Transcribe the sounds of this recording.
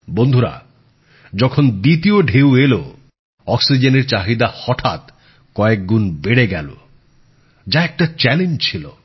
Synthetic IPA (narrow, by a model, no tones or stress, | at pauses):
bond̪ʱuɾa̰ | d͡ʒɔkʰond̪it̪ioɖʱewelo | ɔksid͡ʒeneɾt͡ʃaɦid̪ahɔʈʰa̰t̪ | kɔek̚ɡunbeɽeɡɛlo̰ | d͡ʒaɛk̚ʈat͡ʃɛlend͡ʒt͡ʃʰilo